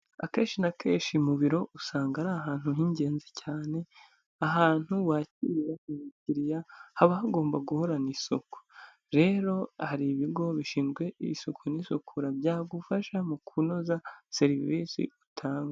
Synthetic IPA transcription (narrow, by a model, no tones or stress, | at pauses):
a̰ke̞ːnʃinakʰe̞ːʃimuβiɾo̞ʔusaːŋɡaɾaɦaːn̥huɦiɲɟe̞ːnzicaːne̞ | aɦaːn̥huwaːciɾijaumiciɾijahaβahaɡo̞ːmbaɡuho̞ɾanisuku̥ | ɾe̞ːɾo̞haɾiβiɡo̞βiʃiːnzɡwe̞ʔḭsukʰunisukʰuɾabjaːɡufaʃamukʰuno̞zaseɾiviːsḭutʰaːŋɡa